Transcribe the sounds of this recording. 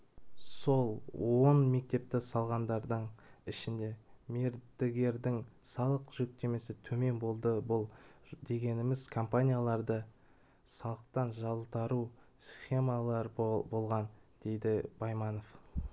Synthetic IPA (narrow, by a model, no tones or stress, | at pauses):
so̞lˠwonme̞k̚t̪e̞p̚t̪ɪsɑlˠʁɑnd̪ɑɾd̪əɴɪʃɪnd̪e̞me̞ɾd̪ɪɡʲe̞ɾd̪ɪŋsɑlˠəqʒ̥ɵk̚t̪e̞me̞sɪt̪ʰɵme̞nbo̞lˠd̪əbʊlˠd̪e̞ɡʲe̞nɪmɪz̥kʰo̞mpanʲijalˠɑɾd̪ə | sɑlˠəq̚t̪ɑnʒɑlˠt̪ɑɾu | sχe̞mɑlˠɑɾbo̞lˠʁɑnd̪̥e̞jd̪ɪbɑjmɑno̞f